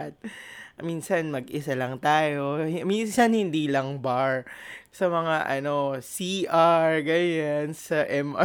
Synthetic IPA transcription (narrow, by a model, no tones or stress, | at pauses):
t̪̚minsɐnmɐɡʔɪsalɐŋt̪aːjo̞hminsɐnhɪnd̪iːlɐŋbaɹsɐmɐŋaʔɐno̞siʔaɹɡɐjansɐʔɛmʔa